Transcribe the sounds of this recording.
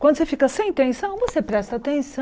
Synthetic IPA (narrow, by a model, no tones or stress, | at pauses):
kwɐ̃nd̪ʊsefikɐsẽj̃t̪ẽsɐ̃w̃vosepɾɛst̪ɐat̪ẽsɐ̃